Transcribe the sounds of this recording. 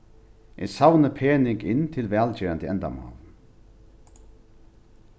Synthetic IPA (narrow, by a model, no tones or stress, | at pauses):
ʔɛ̰sawnəpʰeːnɪŋkɪnt̪ʰɪlʋɛːlt͡ɕeːant̪əɛnd̪a̰mɑ̰ːl